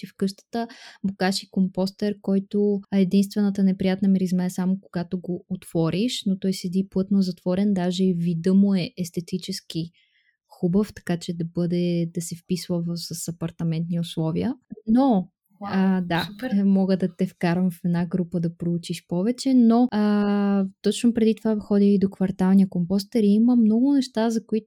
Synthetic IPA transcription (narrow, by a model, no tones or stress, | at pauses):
t͡ʃɛfkɤʃt̪ə̥t̪əbokaʃikompɔst̪ɛɾkɔjt̪oɛd̪inst̪vɛnət̪ənɛpɾijat̪nəmiɾizmaɛsamokoɡat̪oɡoːt̪v̥ɔɾiʃnot̪ɔjsɛd̪iplˠɤt̪nozɐt̪v̥ɔɾɛnd̪aʒɛivid̪ɤmʊɛʔɛst̪ɛt̪it͡ʃɛski | xubəft̪ɐ̥kat͡ʃɛd̪ɐbɤd̪ɛd̪ɐsɛfpisvəvɐfsɐsɐpɐɾt̪ɐmɛnt̪niʊslˠɔviəno | d̪amɔɡəd̪ɐt̪ɛfkaɾvɐmfɛd̪naɡɾupəd̪ɐpɾout͡ʃiʃpɔvɛt͡ʃɛnoət̪ɔt͡ʃnopɾɛd̪it̪ovaxɔd̪iid̪okvɐɾt̪alˠnʲiəkompɔst̪ɛɾiməmnɔɡʊnɛʃt̪azɐkoit̪